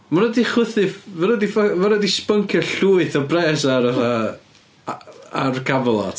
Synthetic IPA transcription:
maɾɔdiχʊθɨvvaɾədifavaɾədispəŋkʰjɔɬuːɨθɔbrɛːsaɾa | arɡavlˠa̰t

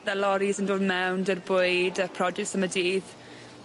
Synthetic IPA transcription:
ðalɔɾizəndoːðmɛwndərbʊɨdəpʰrɔd͡ʒɛktsəmədiːð

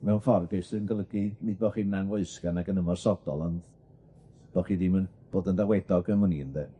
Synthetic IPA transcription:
mɛwnfɔrɡɪsɨənɡəlˠəɡinɨdbɔχinanwoɨskanaɡənəmɔrsɔdɔlˠɔnd | b̥ɔχidimənb̥oːdəndawedɔɡəmɔniənðe

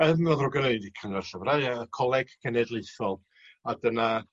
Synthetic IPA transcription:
ɛðnɔðrʊɡənejdikʰanvɛrɬəvrajəkʰɔlˠɛɡ̥ːɛnɛdlˠeɨθɔlˠ | adəna

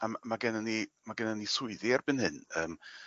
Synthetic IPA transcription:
ammaɡɛnənimaɡɛnənisʊɨðiarb̥ɨnhɨnəːm

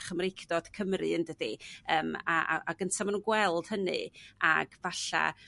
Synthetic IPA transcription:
χəmrejkʰd̥ɔd̥kʰəmrɨ̰əndədiəːmaaaɡəntʰamanuːnɡwɛlˠd̥hənɨ̰aɡ̥vaɬa̰

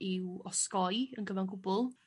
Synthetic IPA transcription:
ɪwɔskɔjənɡəvanɡʊbʊlˠ

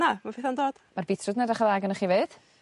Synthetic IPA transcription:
amafiθandoːd̥marbitʰrʊdnɛdaχəðaɡənəχiːveːd̥

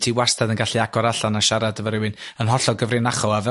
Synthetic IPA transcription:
tʰiwastʰadənɡaɬiaɡɔɾaɬanaʃaɾadəvəɾɪwɪnənɦɔɬɔɡəvrɪnaχɔavɛ

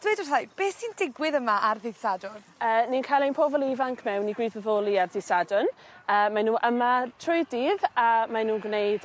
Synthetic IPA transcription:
d̥wejdʊrajb̥eːsiːndɪɡwɪðəmaʔarðɪðsadʊn | əːninkʰajlˠenmpʰovɔlˠivaŋkʰmɛwniɡwiːðəðoːlˠiarðɪsadʊn | əːmanuːʔəmatʰrʊɨdiːðamanuːnɡwnejd

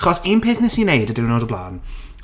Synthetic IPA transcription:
χɔsiːnpʰeːθnɛsinejdədɪwnoːdəblˠa̰ːn

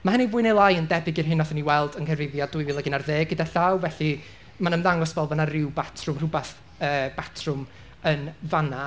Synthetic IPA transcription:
maɦənivʊːɨnejlˠajəndɛbɪɡɪrɦɪnɔθəniwɛlˠdənkʰɛrvɪvjadʊɨvilˠəɡɪnarðeːɡ̚ɡədaɬawvɛɬi | manəmðaŋɔsvɛlˠvanarɪwbatʰrʊmrʊbaθ | əːb̥atʰrʊm | ənvana

